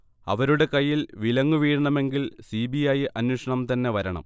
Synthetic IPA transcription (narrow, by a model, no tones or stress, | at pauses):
ɐ̰ʋɐɾuɽe̞kɐjːilʋilɐŋːuʋiːɻɳɐme̞ŋɡilsibijajʔɐnwoʂɐɳɐmt̪ɐnːe̞ʋɐɾɐɳɐ̰m